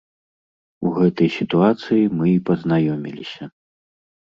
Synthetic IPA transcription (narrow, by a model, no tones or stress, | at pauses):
uɣɛt̪ɐjsʲit̪uat̪sɨjimɨipɐznajɔmʲḭlʲisʲɐ